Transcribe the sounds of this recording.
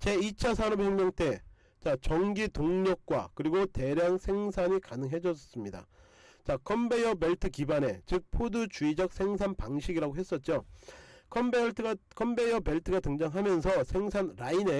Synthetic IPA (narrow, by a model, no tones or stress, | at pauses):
t͡ɕe̞it͡ɕʰasʰanʌp̚heŋmjʌŋt͈e̞ | t͡ɕat͡ɕʌŋɡitoŋɲʌk̚k͈wa̰kɯɾiɡote̞ɾjaŋsʰe̞ŋsʰaɲikanɯŋɦe̞d͡ʑʌss͈ɯmɲida̰ | t͡ɕakʰʌmbe̞jʌbeɭtʰɯkibane̞t͡ɕɯk̚pʰodut͡ɕuid͡ʑʌk̚s͈ʰe̞ŋs̬ʰanpaŋɕʰiɡiɾaɡoɦe̞s͈ʌt̚t͡ɕ͈o | kʰʌbetʰkʰʌmbe̞jʌpe̞ɭtʰɯɡatɯŋd͡ʑaŋɦamjʌnsʰʌsʰe̞ŋsʰanɾaine̞